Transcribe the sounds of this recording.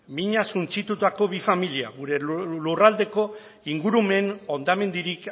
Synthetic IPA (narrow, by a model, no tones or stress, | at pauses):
miɲasunt͡sit̪ut̪ako̞βifamilia̰ɣuɾe̞lurald̪e̞ko̞ | iŋɡuɾume̞no̞nd̪ame̞nd̪iɾik